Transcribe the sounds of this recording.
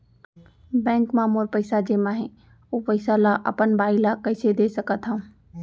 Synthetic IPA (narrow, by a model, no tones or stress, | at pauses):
bɛ̃ːŋkmãmoːɾpəɪsad͡ʒemãɦɛ̃ | opəɪsalaʔə̰pənbaːɪlakɐɪsed̪esəkət̪ɦãũ